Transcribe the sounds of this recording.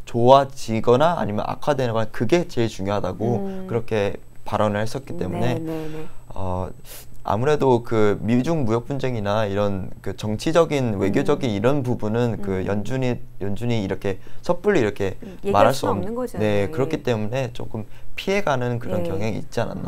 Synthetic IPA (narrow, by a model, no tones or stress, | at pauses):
t͡ɕowat͡ɕiɡʌnaa̰ɲimjʌ̰na̰kʰadwe̞nɯnɡʌnakɯɡe̞t͡ɕe̞ɭt͡ɕuŋjoɦadaɡokɯɾʌkʰe̞ | paɾʌnɯɭhes͈ʌt̚k͈i̥t͈e̞mune̞ | ʌ̰ | a̰muɾe̞dokɯmid͡ʑuŋmujʌk̚p͈und͡ʑe̞ŋinaiɾʌnkɯt͡ɕʌŋt͡ɕʰid͡ʑʌɡinwe̞ɡjod͡ʑʌɡiniɾʌnpubunɯnkɯjʌnd͡ʑuɲjʌnd͡ʑuɲiːɾʌkʰe̞sʰʌp͈uɾːiiɾʌkʰe̞ | maɾɾɦaɭs͈uʌmne̞kɯɾʌkʰit͈e̞mune̞t͡ɕ͈o̰k͈ɯmpʰie̞ɡanɯnkɯɾʌnkjʌŋɦeŋiḭt̚t͡ɕ͈iana̰nːa̰